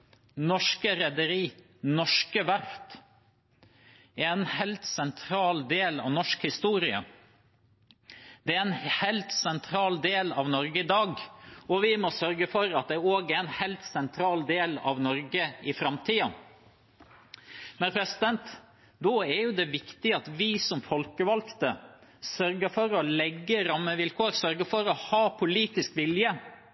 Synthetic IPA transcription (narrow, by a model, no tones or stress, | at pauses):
nɔʂkəɾɛd̪əɾiː | nɔʂkəʋæɾt̪ | ɛnhɛlt̪sɛnt̪ʰɾɑːld̪eːlɑ̰ʋnɔʂkhɪst̪uːɾɪə | d̪̥ɛæɛnhɛlt̪sɛnt̪ʰɾɑːld̪eːlɑ̰ʋnɔɾɡəɪd̪ɑːɡɔʋɪmɔsœɾɡəfɔɾɑt̪̚d̪ɛoːɡɛɛnhɛɪlt̪sɛnt̪ʰɾɑːld̪eːlɑ̰ʋnɔɾɡəɪfɾɑmt̪ʰiːɑ | mɛnpʰɾɛsɪd̪ɛnt̪ | d̪ɔɛɾjʊd̪ɛʋɪkt̪ɪɑt̪ʋɪsɔmfɔlkəʋɑlkt̪əsœɾɡəfɔɾɔlɛɡːəɾɑmːəʋɪlkʰoːɾsœɾɡəfɔɾɔhɑːpʰʊliːt̪ɪskʋɪljə